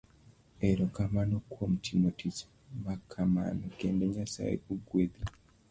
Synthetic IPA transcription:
eɾokamanokʰwomutʰinotʰit͡ʃḁ | makʰama̰nokeːndeɲasa̰jḛkuɡweði

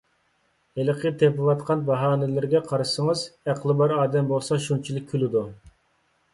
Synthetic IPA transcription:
eləqʰət̪ʰepɨvɑt̪qʰɑnbɑɦɑːnɪlɪɾɡʲɛqʰɑɾɨʃsəŋəzæqʰlˠɨbɑɾɑːd̪ɛmbolˠsɑʃunt͡ʃʰilˠɪk̚ʲʰːylɪd̪u

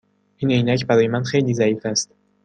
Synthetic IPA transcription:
ʔiːnejnæcʰbæɾɒːje̞mænxe̞jliːzæiːfæst̪

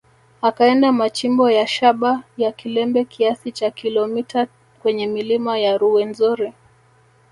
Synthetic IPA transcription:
akaɛndamat͡ʃimbɔjaʃaɓajakilɛmbɛkiasit͡ʃakilɔmita | kwɛɲɛmilimajaɾuwɛnzɔɾɛ

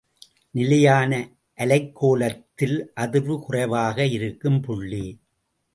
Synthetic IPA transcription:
nɪlɐjaːnɐ | ʔɐlɐɪkʰːoːlɐt̪ːɪlʔɐðɯʋɯkʊrɐɪʋaːɣɐɪɾɯkːɯmpʊɭːi

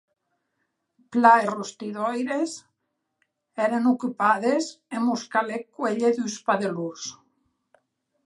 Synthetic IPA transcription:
plaerost̪iðojɾes | eɾanokypaðesemuskalekweʎeðuspaðelus

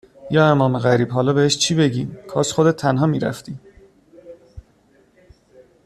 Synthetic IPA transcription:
jɒːe̞mɒːmeɣæɾiːb̥ɦɒːlɒːbeheʃt͡ʃʰiːbe̞ɟiːmkʰɒːsxod̪et̪ʰːænɦɒːmiːɾæ̰ft̪iː

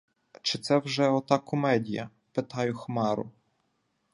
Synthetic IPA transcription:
t͡ʃɪt̪sɛwʒɛɔt̪ɑkɔmɛdʲijɐ | pɪt̪ɑjʊxmɑɾʊ̰

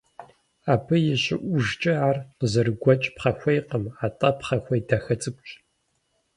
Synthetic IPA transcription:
aːpʰɨjɪɕɪʔʷʊʒt͡ʃʼɐaːrqəzɨrɡʷɔt͡ʃʼpχɐxʷejqəmaːtʼɐpχɐxʷɐjdɐxɐt͡sʼɨkʷʼt͡ʃʼ

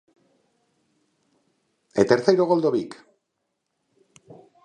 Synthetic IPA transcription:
et̪eɾθejɾoɣ̞old̪o̞βik

